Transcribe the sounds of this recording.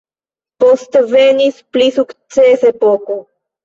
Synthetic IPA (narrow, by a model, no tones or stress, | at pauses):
post̪venisplisukt̪t͡sesepoko